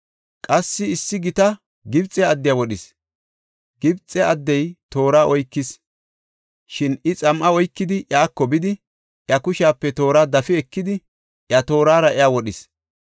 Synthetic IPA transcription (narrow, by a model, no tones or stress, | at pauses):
kʼɐsːɪɪsːɪɡɪt̪ɐ | ɡɪbt͡sʼːɛɐd̪ːɪjawɔɗɪs | ɡ̥ɪbt͡sʼːɛɐd̪ːɛjt̪o̞ːɾaːʔɔjkːɪs | ʃɪnɪt͡sʼɐmʔɐɔjkːɪd̪ɪʔjaːkːɔbɪd̪ɪ | ʔjɐkʊʃaːpːɛt̪o̞ːɾaːd̪ɐfɪɛkːɪd̪ɪ | ʔjɐt̪o̞ːɾaːɾɐʔɛjawɔɗɪs